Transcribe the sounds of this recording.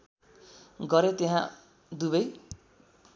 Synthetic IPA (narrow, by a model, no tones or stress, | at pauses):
ɡʌɾet̪eɦã | d̪ubʌj